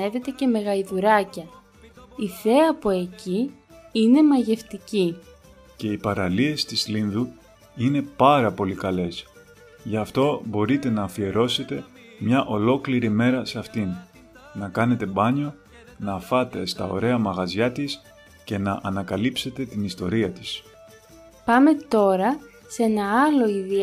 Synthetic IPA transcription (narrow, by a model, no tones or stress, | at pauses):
e̞ve̞t̪e̞ce̞me̞ɣɐiðuɾɐcɐ | iθe̞ɐpoe̞ci | ine̞mɐʝe̞ft̪ici | ce̞ipɐɾɐlie̞st̪izlinðu | ine̞pɐɾɐpo̞likɐle̞s | ʝɐft̪o̞bo̞ɾit̪e̞nɐːfie̞ɾo̞se̞t̪e̞ | mɲɐʔo̞lo̞kliɾime̞ɾɐseɐft̪inː | ɐkɐne̞t̪e̞bɐɲo̞ | nɐfɐt̪e̞st̪ɐo̞̰ɾe̞ɐmɐɣɐzʝɐt̪is | ce̞nɐʔɐnɐkɐlipse̞t̪e̞t̪inist̪o̞ɾiɐt̪i̥s | pɐme̞t̪o̞ɾɐ | se̞nɐɐlo̞iði